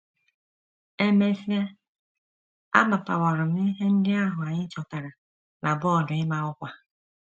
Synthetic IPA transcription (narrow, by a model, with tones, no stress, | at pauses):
e˦me˦fi˦a˦ | a̰˦ma˨pa˨wɔ˨ɾʊ˨m̩˦i˦ɦe˦n̩˦dɪ˦a˦ɦʊ˨a˨ɲɪ˦t͡ʃɔ˨ta˨ɾa˨ | nʔa˨bʊ˦ɔ˨dʊ˨ɪ˦ma˦ʊ˦kʷa˨